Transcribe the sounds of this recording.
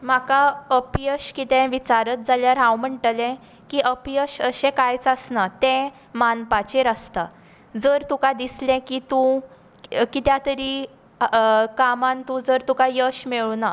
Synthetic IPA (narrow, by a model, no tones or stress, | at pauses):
m̤akaəpjəɕkit̪ɛ̃ʋit͡ɕaɾət̪̚d͡zaljaɾɦãwm̤əɳʈəlɛ̃ | kiːʔəpjəɕəɕɛ̃kajt͡səsnat̪ɛ̃ | manpat͡ɕeɾəst̪a | d͡zəɾt̪ũkad̪islɛ̃kit̪ũ | kit̪jãt̪əɾi | kamãnt̪ũd͡zəɾt̪ũkajəɕmeɭuna